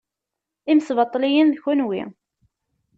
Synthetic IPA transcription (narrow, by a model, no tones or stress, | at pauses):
imsvɑt̪ˤːlijənðçʊnwḭ